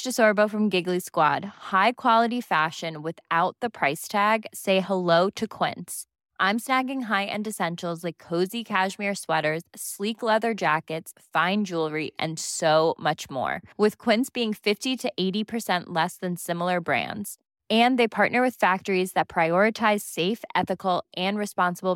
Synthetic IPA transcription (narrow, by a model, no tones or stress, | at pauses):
dɨsɔɹboʊfɹʌ̃mɡɪɡliskwɑd̥̚haɪkʰw̥ɑlˠəɾifæʃɨ̃nwɨθaʊt̪̚ðɨpʰɹ̥aɪstʰæɡseɪhəloʊɾɨkʰw̥ɪ̰̃nts | ʔãɪ̃msnæɡɪ̃ŋɦaɪʔɨ̰̃ndɨsɛ̃nʃl̩ˠzlaɪkʰːoʊzikʰæʒmɪɹswɛɾə˞z̥sliklɛðə˞d͡ʒækɨtsfãɪ̃nd͡ʒulˠɹiʔɨ̰̃nsoʊmʌt͡ʃmɔ̰ɹwɨð̥kʰw̥ɪ̃ntsb̥iɪ̃ŋfɪftiɾɨʔeɪɾipʰə˞sɛ̃nʔlɛsðɨ̃nsɪ̃ml̩ˠə˞bɹæ̰̃ndz̥ | ɨ̃nðeɪpʰɑɹʔⁿnə˞wɨð̥fæk̚tə˞izðɨt̚pʰɹ̥aɪɔɹɨtʰaɪz̥seɪfʔɛθɨkl̩ˠʔɨ̃nɹɨspɑ̃nsəbl̩ˠ